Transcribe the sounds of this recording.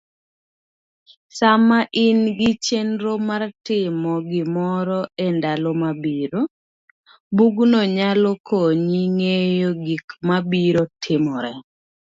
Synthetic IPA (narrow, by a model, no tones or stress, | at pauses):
samaʔɪnɡɪt͡ʃenɾomartɪmɔɡɪmɔɾɔendalɔmabiɾo | buɡnɔɲalɔkʰoɲiŋejoɡikmabiɾotʰɪmɔɾɛ